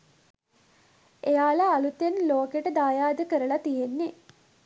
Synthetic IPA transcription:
ejaːlaːlut̪jenloːkeʈəd̪aːjaːd̪əkəɾəlat̪iɦenːe

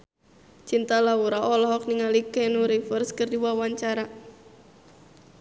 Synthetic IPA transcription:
t͡ʃint̪alawuɾaʔɔlɔɦɔk̚niŋalikɛnuɾifərskərdiwawaɲt͡ʃaɾa

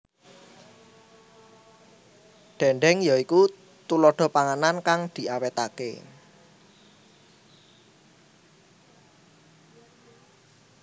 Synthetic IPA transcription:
ɖ̥ɛ̤ɳɖɛŋjaiku | t̪ulɔɖ̪̥ɔ̤paŋanankaŋd̪̥i̤ʔawet̪akḛ

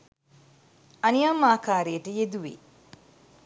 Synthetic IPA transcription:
ɐnijamːaːkaːɾejəʈəjed̪uʋḭ

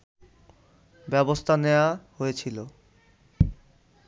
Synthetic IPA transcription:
bɛbost̪ʰaneoahojet͡ɕʰilo

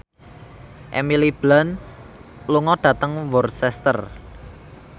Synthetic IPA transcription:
ʔḛmilib̥lan | luŋɔɖ̥ä̤t̪əŋwɔrsɛst̪ə̰r

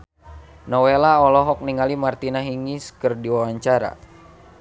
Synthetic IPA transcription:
nɔwelaɔlɔɦɔk̚niŋalimart̪inaɦiŋiskɨrdiwawaɲt͡ʃaɾa̰

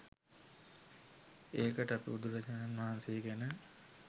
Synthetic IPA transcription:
eːkəʈəɐpḭud̪uɾɐd͡ʒnanʋaɦanseeɡænə

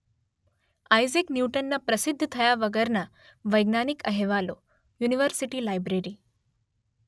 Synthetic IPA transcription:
ajziknjuwʈənːapɾəsid̪ʱːt̪ʰəjaʋəɡəɾna | ʋəjɡnanikəɦeʋalo | juniʋəɾsiʈiːlajbɾeɾiː

